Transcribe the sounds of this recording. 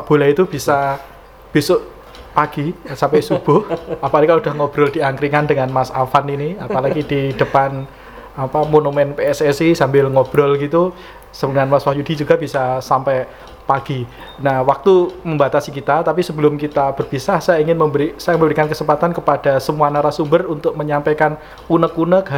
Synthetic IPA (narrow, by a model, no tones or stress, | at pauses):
b̥o̤lait̪ub̥i̤sa | b̥isʊʔ | paɡ̥isampɛsub̥ʊhapanikalaud̥ahŋɔb̥ɾɔld̥iaŋkɾiŋandəŋanmasafaniniapalaɡid̥id̥əpan | apamonumɛnpeɛsɛsisambɪlŋɔb̥ɾɔlɡit̪u | sədəŋanmaswahjudi̤d͡ʒuɡabisasampɛ | paɡ̥i | nahwak̚t̪uməmbat̪asikit̪at̪apisəbəlʊmkit̪ab̥ərb̥isahsajaiŋɪnməmbəɾisajaməmbəɾikankəsəmpat̪ankəpad̥asəmuanaɾasumbərunt̪ʊk̚məɲampakan | unəkunək